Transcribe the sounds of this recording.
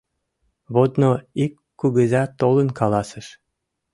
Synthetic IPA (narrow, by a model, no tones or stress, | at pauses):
βod̪noikːuɣəzɑt̪olənkɑlɑsə̆ʃ